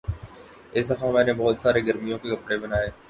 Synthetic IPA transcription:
ɪsd̪ɐfãmɛ̃ːnẽbɔːʊt̪saːɾeɡɐɾmijõkekɐpɽebɪnaːɦeː

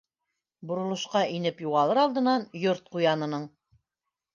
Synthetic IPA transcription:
bŏɾŏlˠŏʃqɑʔinɘpjuʁɑlˠɤɾɑlˠd̪ɤ̆nɑnjoɾt̪̚qujɑnɤ̆nɤɴ

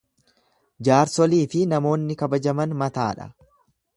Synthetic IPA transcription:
d͡ʒaːɾsɔliːfɪnɐmo̞ːnːɪkɐbɐd͡ʒɐmɐnmɐt̪a̰ːᶑɐ̰

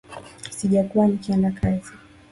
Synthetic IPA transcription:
siʄakuwanikiandakʰazi

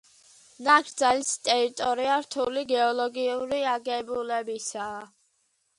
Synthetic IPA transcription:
naɡɾd̪zalist̪ʼɛɾit̪ʼɔɾiaɾt̪ʰuliɡɛɔlɔɡiuɾiaɡɛbulɛbisaː

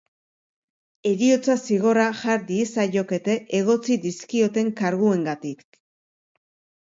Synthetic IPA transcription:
e̞ɾio̞t͡sasiɣo̞raʝaɾd̪iesajo̞ke̞t̪e̞ʔeɣ̞o̞t͡sid̪iskio̞t̪e̞ŋkaɾɣue̞ŋɡat̪ik

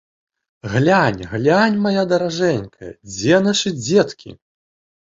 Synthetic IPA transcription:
ɣlʲanʲɣlʲanʲmajad̪ɐɾaʐɛnʲkʰɐ̰d͡zʲɛnaʂɨd͡zʲɛt̪kʲḭ

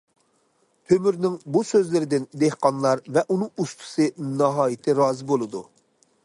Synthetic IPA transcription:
t̪ʰømyɾnɪŋbusøzlɪɾɪd̪ɪnd̪ehqɑnlˠɑɾvɛʔunɨŋust̪ʰu̥sɨnɑɦɑːjɪt̪ʰɪɾɑːzɨbolˠɨd̪u

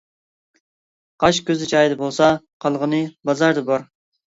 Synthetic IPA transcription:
qʰɑʃkʲøzɪt͡ʃɑjd̪ɨbolˠsɑqʰɑlˠʁənɨbɑzɑɾd̪ɨbɑɾ

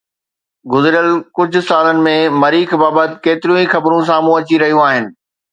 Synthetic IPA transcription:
ɡʊzɪɾjəlkʊd͡ʑʱʊ̆saːlənɪ̆mẽmɐɾiːkbaːbət̪ɪkeːt̪ɪɾjũĩxɐbɾũs̬aːmũɐt͡ɕiɾɐɦijũaːɦɪnɪ̆

